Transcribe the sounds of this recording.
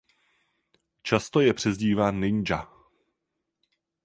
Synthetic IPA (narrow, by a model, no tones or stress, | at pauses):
t͡ʃast̪ojɛpr̝̥ɛzɟiːvaːnːɪɲd͡ʒa